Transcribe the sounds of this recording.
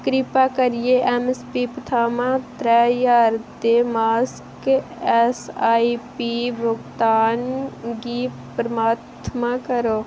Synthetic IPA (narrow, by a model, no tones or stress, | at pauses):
kɾɪpaːkəɾijeʔɛmɛspipət̪ʰaːmãt̪ɾɛjaːɾt̪emaːs | kɛsaːipibʱʊɡt̪aːnɡi | pɾəmaːt̪ʰmãkəɾoː